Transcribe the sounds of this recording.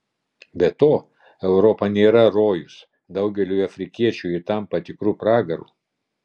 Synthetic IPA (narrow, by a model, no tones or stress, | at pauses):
bʲɛt̪oː | ɛʊɾɔpɐnʲeːɾɐɾoːjʊs | d̪ɐʊɡʲɛlʲuːɐfʲɾʲɪkʲiɛt͡ʃʲuːɪt̪ɐmpɐt̪ʲɪkɾuːpɾɑːɡɐɾṵː